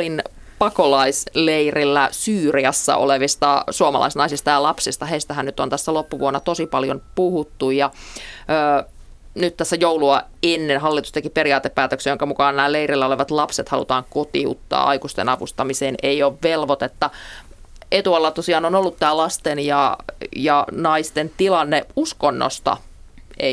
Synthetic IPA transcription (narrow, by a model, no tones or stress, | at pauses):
lin | pɑkolɑisleirilːæsyːriɑsːɑ̰ʔo̰leʋist̪ɑsuɑmɑ̰lʔɑ̰isnɑisist̪ɑjɑlɑpsist̪ɑheist̪ɑhænnyt̪ont̪æsːælopːuʋuonːɑt̪osipɑljonpuhut̪ːujjɑəː | nyt̪t̪æsːæjouluɑ | enːenhɑlːit̪ust̪ekiperiɑːt̪eppæːt̪øksejoŋkɑmukɑːnnæːleiɾelːæoleʋɑt̪lɑpset̪hɑlṵt̪ɑːŋkot̪iṵt̪ːɑ̰ːʔɑ̰ikust̪ḛnɑʋṵst̪ɑmiseːneioːʋʋelʋot̪et̪ːɑ | et̪uɑlːɑt̪osiɑːnonolːut̪t̪æːlɑst̪enjɑjɑnɑist̪ent̪ilɑnːeuskonːo̰st̪ɑ̰e